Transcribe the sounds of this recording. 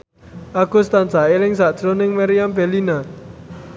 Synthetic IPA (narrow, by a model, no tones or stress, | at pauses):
ʔaɡ̥ṳst̪ansaelɪŋsaʔd̥ʒ̥ɾonɪŋmaɾijambelina